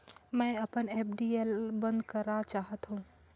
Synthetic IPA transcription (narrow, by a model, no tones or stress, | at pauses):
mɛ̃ːɐpəneːpɖiːelbɐ̃nd̪kɐɾat͡ʃaːɦət̪ɦũ